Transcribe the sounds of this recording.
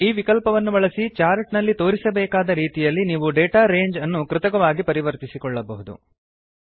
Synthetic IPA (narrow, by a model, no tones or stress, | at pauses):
iːʋikɐlpɐʋɐnːubɐɭɐsit͡ʃaːɾʈnɐlːit̪o̞ːɾisɐbɛːkaːd̪ɐɾiːt̪ijɐlːiniːʋuɖeːʈaːɾeːɲd͡ʒɐnːukɾɪt̪ɐkɐʋaːɡipɐɾiʋɐɾt̪isikɔɭːɐbɐɦud̪ṵ